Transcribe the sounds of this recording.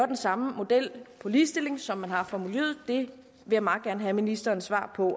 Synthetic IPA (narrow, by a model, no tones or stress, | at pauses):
ɐd̥ensɑ̈məmo̝d̥el̰pʰɒ̽liːsd̥e̝l̰e̝ŋsɒ̽mːænhɑ̈fɒmule̝̰ːð̩ˠd̥e̝ | ʋe̝jɑmɑ̈ːɡ̥æɐnəɦæminisd̥ɐːnsʋɑ̰̈ːpʰɒ̽